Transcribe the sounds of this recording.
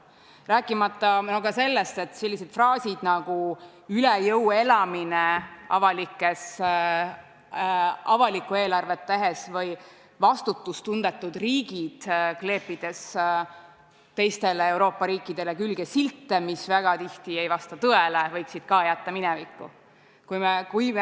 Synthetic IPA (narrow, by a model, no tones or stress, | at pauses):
ræːkːˑimɑt̪ːˑɑnokɑse̞lːe̞st̪e̞t̪se̞lʲːise̞d̪̥frɑːsid̪̥nɑɡ̥u | ylejɤwe̞lɑmineɑ̰vɑlikːˑe̞s | ɑvɑlikːˑue̞ːlɑrvet̪ːæɦesvɤj | vɑst̪ut̪ːˑust̪und̪̥e̞t̪ˑːud̪riːɡ̥id̪̥kle̞ːpːˑid̪̥e̞s | t̪ːe̞jst̪e̞leewɾo̞ːpˑːɑɾiːkːˑid̪̥e̞lekylɡe̞silt̪ːemisvæɡ̥ɑt̪iht̪iejvɑst̪ɑt̪ɤelevɤjksid̪̥kɑːjæt̪ːɑminɛvikːṵ | kujmekuj